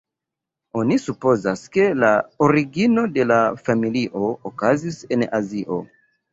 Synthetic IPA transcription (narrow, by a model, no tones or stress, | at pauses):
o̞nisupo̞zaske̞laoɾiɡino̞de̞lafamiliʔo̞okazise̞naziʔo̞̰